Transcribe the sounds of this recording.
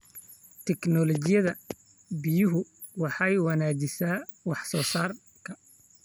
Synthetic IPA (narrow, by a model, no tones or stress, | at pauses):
t̪ʰɛknɔlɔt͡ʃɪjɐðɐ | bɪjʊɦʊ | wɑħɑjwɐnaːd͡ʒɪsaː | wɑħsɔːsaːr | kʰɐ